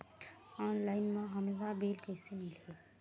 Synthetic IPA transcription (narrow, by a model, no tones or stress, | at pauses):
ɔːnlaːɪnmẽɦəmlabeːlkəɪsemɪlɦe